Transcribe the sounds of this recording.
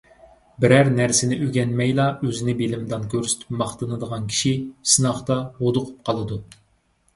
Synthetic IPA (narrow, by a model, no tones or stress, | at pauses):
bɪɾæɾnæɾsɪnɪʔøɡʲɛnmɛjlˠɑøzɪnɪbelɪmd̪ɑnkʲʰøɾsy̥t̪ʰy̥pmɑχt̪ɨnɨd̪əʁɑnkʲʰi̥ʃisɨnɑχt̪ɑhod̪ʊqʰu̥p̚qʰɑlˠɨd̪u